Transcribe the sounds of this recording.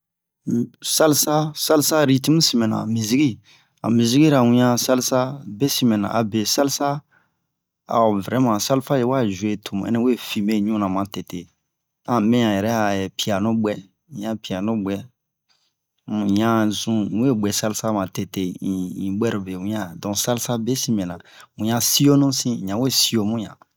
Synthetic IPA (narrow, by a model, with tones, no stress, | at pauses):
sa˦lsa˦sa˦lsa˦ɾi˦ti˦mũ˦sĩ˨mɛ̃˨nã̰˨mĩ˨zi˦ɡi˦ | ã̰˨mĩ˨zi˦ɡi˦ɾa˨wĩ˦ã˦sa˦lsa˦be˦si˨mɛ̃˨nã̰˨ʔa˨be˨sa˦lsa˦ | a̰˨o˨vɛ˨ɾɛ˨˦mã˨sa˦lfa˦je˨wa˦ʒu˨e˨tʰo˨m˨ɛ̰˦nɛ˦e˦fi˨me˦ɲũ˦nã˨mã˨tɛ˨te˨ | ã˨mɛ̃˦jã˨jɛ˨ɾɛ˦a˨ɛ˨pi˨a˨nõ˦bɛ̃˦˨˦ | ã˨pi˨a˨nõ˦bɛ˦˨ | ã˦zũ˦e˦ɡ͡bɛ˨sa˦li˦sa˦mã˨te˨te˦˨i˨ĩ˨ɡ͡bɛ˦ɾo˨be˨wũ˦ã˦˨dɔ̃˨sa˦lsa˦be˦sĩ˦mɛ̃˨nã˨wũ˨jã˨si˦jo˦nũ˦sĩ˦˨ɲã˨we˦si˦jo˦mũ˦jã̰˨